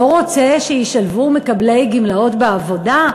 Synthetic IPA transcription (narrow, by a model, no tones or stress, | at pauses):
oʁot͡se̞ʃejiʃalvume̞kable̞jɡimlao̞tbeavo̞da